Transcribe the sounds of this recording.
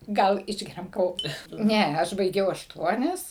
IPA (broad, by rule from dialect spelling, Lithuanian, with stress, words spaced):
ˈɡɐlˠ ˈɪʒʲɡʲɛrʲɛm kɐˈʋoː ˈnʲɛ ˈɐʃ bɐɪˈɡʲɛʊ ɐʃˈtuɔnʲɛs